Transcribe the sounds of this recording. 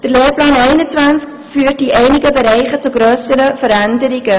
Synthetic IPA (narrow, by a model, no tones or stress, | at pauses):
d̥ərleːrplɑːnɛɪnətʋænsk | fyːərt̚diʔɛɪnɪɡəbəɾɛɪχət͡suɡɾøːsəɾəfəɾændəɾɪɡə